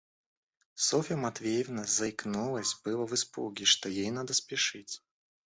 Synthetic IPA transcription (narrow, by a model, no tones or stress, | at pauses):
sɔfʲəmat̪vʲejəvnɐzɐjknulˠɐsʲbɨlˠɐvɨspṵɡʲɪʂt̪ɔjejnad̪ɐspʲɪʂɨtʲ